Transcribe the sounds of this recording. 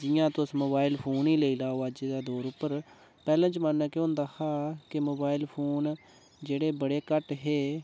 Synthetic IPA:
d͡ʒɪjãːt̪ʊsmoːbaːɪlpʰoːniːleiːlaːoːəd͡ʒeːd̪aːd̪oːɾʊpːəɾ | pɛːlãːt͡ʃmaːnːɛ̃ːkeõːnd̪aːhaːkɪmoːbaːɪlpʰoːn | d͡ʒeːɽeːbəɽeːkəʈɦeː

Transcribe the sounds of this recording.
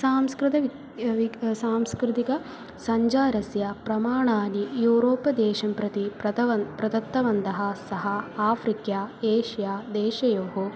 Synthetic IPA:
saːmskɾɪt̪ɐʋi | ʋisaːmskɾɪt̪ikɐ | sɐɲd͡ʒaːɾɐsjɐpɾɐmaːɳaːnijuːɾoːpɐd̪ɛːʃɐmpɾɐt̪ipɐɐpɾɐd̪ɐt̪ːɐʋɐnd̪ɐɦɐsɐɦɐaːfɾikjaːeːʃijaːd̪ɛːʃɐjoːɦo

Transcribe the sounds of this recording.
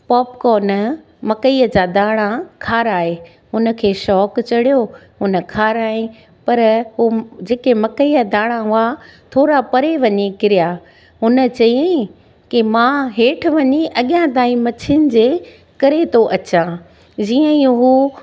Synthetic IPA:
pɔːpkɔːnə | mɐkəiːəd͡ʑad̪aːɽ̃ãkʰaːɾaːɦeː | ʊnə̆kʰeːʃɔːkt͡ɕɐɽijo | ʊnə̆kʰaːɾaːĩ | pɐɾɦud͡ʑeːkemɐkəiːəd̪aːɽ̃ãɦʊat̪ʰoːɾapɐɾeʋɐɲekɪɾija | ɦʊnə̆t͡ɕɐjẽ | kimãɦeːʈʰʋɐɲeʔɐɠijãt̪aːĩmɐt͡ɕʰɪnɪ̆d͡ʑeː | kɐɾet̪ʰoʔɐt͡ɕã | d͡ʑiːə̃ĩɦuː

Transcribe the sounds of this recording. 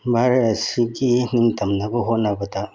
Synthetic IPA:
baɾɐsiɡin̥iŋtʰɐmnɐbɐɦotnɐbɐdɐ

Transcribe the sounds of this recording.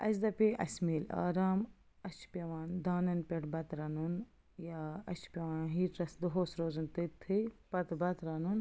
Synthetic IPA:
ɐ̰sd̪ɐpʲiʔɐ̰smiːla̰ːɾaːm | ɐʃpʲɐʋaːnd̪aːnɐnpʲeʈbɐt̪ɾɐnun | jaɐʃpʲɐʋaːnɦiːʈɾɐsd̪uɦoːsɾoːzɐnt̪it̪ʰːipɐt̪bɐt̪ɾɐnun

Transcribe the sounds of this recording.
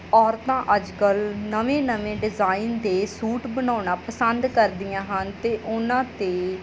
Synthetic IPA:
ɔːɾt̪ãːʔəd͡ʒkəlnəʋẽːnəʋẽːɖɪzaːind̪eːsuːʈbənaːnaːpəsənd̪kəɾd̪ɪjãːɦənt̪eːʔʊnãːt̪eː

